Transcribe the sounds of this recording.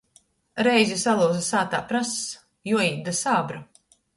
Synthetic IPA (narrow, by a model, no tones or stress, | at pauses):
ɾɛjzʲisalˠuːzasaːt̪a̰ːpɾas | juɔjiːd̪asaːbɾu